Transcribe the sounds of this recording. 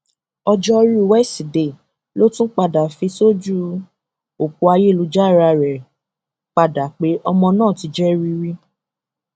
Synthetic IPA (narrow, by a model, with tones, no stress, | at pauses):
ɔ˧d͡ʒɔ˦ɾu˦˨wɛ˦˨si˨de˨ | lo˦tũ˦k͡pa˧da˨fi˧so˦d͡ʒu˦ | o˨ku˨˧a˧je˦˨lu˨˧˦d͡ʒa˦˨ɾa˧˨ɾɛ˨ | k͡pa˧da˨k͡pe˨˦ʔɔ˧mɔ̃˧nãː˦˨ti˨˧d͡ʒɛ˦ɾi˧ɾi˦